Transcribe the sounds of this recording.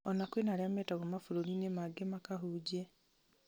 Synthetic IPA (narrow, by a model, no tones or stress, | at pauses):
ɔnakwenaɾeamɛtaɣomafuɾoninemaɡemakaɦuːɟe